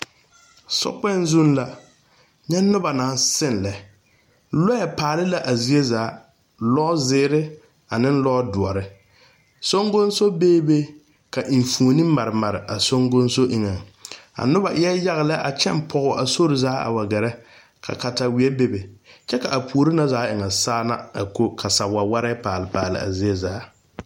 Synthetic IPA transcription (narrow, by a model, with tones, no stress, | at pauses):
sɔ̰˦k͡pɛ˦˨n˦zu˦n˦la˨ | ɲɛ˦nʊ˦ba˨naː˨n˦sɪ˦˨nlɛ˨ | lɔ˦ɛ˨paː˨lɪ˦la˨ʔa˨zi˦e˦zaː˨˦ | lɔ˦zɪː˦ɾɪ˦ | a˨nɪ̃˦n˦lɔ˦dʊ˨ɔ˨ɾɪ˦ | so˦ŋɡʊ˦nso˦beː˦be˦ | ka˨ʔi˨ɱfu˨o˨ni˦ma˨ɾɪ˨ma˨ɾɪ˨ʔa˨so˦ŋɡʊ˦nso˦ʔi˦ŋa˨ŋa̰˨nʊ˦ba˨ʔɪ˦ɛ˦ja˦ɣɪ˨lɛ˦ʔa˨t͡ʃɛ˦m˦pʰɔ˨ɣʊ˨a˨so˦ɾɪ˨zaː˨˦a̰˨wa˨ɡɛ˨ɾɛ˦ | kʰa̰˨ka˨ta˨wi˨˦ɛ˦be˦be˨t͡ʃɛ˦ka˨ʔa˨pʰu˨o˨ɾi˦na˨zaː˨˦ɪ˨ŋa˨saː˦na̰˦a˨ko˦kʰa˨sa˨wa˨wa˦ɾɛ˦paː˨lɪ˨paː˨lɪ̰˦a̰˨zi˦e˦zaː˨˦